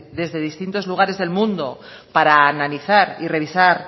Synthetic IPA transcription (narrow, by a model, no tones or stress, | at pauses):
ðe̞zðe̞ð̞ist̪int̪o̞zluɣ̞aɾe̞zðe̞lmũnd̪o | paɾaːnaliθaɾire̞βisaɾ